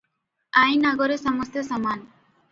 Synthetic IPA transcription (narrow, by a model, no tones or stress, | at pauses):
ajnaɡoɾesɔmɔst̪esɔman